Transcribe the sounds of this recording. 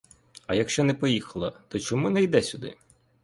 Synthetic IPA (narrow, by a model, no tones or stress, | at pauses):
ɐjɐkʃt͡ʃɔnɛpɔjixɐlˠɐt̪ɔt͡ʃɔmunɛjd̪ɛsʲʊd̪ɪ̰